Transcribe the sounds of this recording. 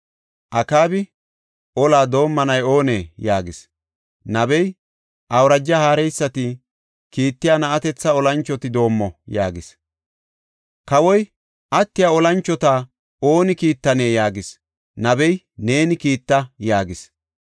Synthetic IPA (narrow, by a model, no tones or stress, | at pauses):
ʔɐkaːbɪ | ʔɔlaːd̪o̞ːmːɐnɐjo̞ːneːjaːɡɪs | nɐbɛj | ʔɐwɾɐd͡ʒːɐhaːɾɛjsːɐt̪ɪ | kiːt̪ːɪjaːnɐɐt̪ɛt͡sːɐɔlɐnt͡ʃːɔt̪ɪd̪o̞ːmːɔjaːɡɪs | kɐwɔj | ʔɐt̪ːɪjaɔlɐnt͡ʃːɔt̪aː | o̞ːnɪkiːt̪ːɐne̞ːjaːɡɪs | nɐbɛj | ne̞ːnɪkiːt̪ːɐjaːɡɪs